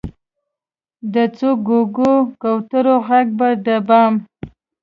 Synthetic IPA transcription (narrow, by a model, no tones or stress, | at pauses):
d̪ət͡soɡoɡokawt̪əɾoɣaɡ̚bad̪əbɑm